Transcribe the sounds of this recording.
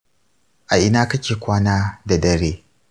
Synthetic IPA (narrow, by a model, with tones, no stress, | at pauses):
ʔa˨ʔɪ˦naː˦kɐ˦kʲeː˨kʷaː˦naː˦da˨dɐ˦ɾeː˦